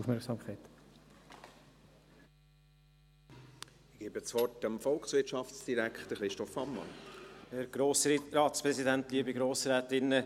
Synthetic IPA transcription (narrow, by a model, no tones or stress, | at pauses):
ufmɛɾksɑːmkʰχaɪt | ɡ̥eːbət͡svɔrtəmfɔlksvɪtt͡ʃɑfsd̥iɾækχtəχɾɪʃtɔfhɑmːɑ̰nɛɾɡ̥ɾoːsrɑːtspɾɛsidæntliːəbiɡɾoːsɾɛːtɪnːə